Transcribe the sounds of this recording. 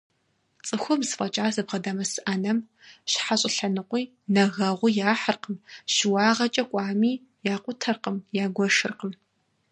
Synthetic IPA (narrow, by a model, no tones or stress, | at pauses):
t͡sʼɨxʷɔmzfʼɐt͡ʃʼaːzɨbʁɐdamɐsɨʔɐnɐm | ɕħaɕʼɪɬɐnɨqʷiː | nɐɣɐʁʷʊjaːħərqəmʃɪwɑːʁɐt͡ʃʼɐkʷʼɑːmiː | jaːqʷʼʊtʰɐrqəmjaːɡʷɔʃɨrqəm